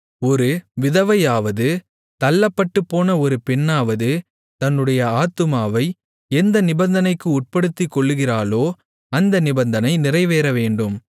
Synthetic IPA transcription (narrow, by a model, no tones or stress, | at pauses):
ɔɾɯʋɪðɐʋɐjaːʋɐðɯ | t̪ɐlːɐpːɐʈːɯpːoːnɐɔɾɯpɛɳːaːʋɐðɯ | t̪ɐnːɯɽɐjɐaːt̪ɯmaːʋɐɪ | ɛnd̪ɐnɪbɐnd̪ɐnɐɪkːɯʊʈ̚pɐɽɯt̪ːɪkːɔɭːɯɣɪraːloː | ɐnd̪ɐnɪbɐnd̪ɐnɐɪnɪrɐɪʋeːɾɐʋeːɳɖɯm